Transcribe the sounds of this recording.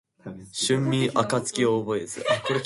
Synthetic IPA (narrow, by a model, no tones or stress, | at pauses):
ɕɨ̃mːiʔakat͡sɨ̥kʲioːboesɨ̰ʔakʰoɾe